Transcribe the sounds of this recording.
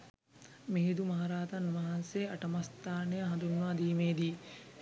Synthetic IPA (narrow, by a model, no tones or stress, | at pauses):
meɦid̪umɐɦaɾaːt̪ɐnmɐɦɐnseɐʈɐmɐst̪aːnejɐɦɐ̃nd̪unʋaːd̪iːmeːd̪iː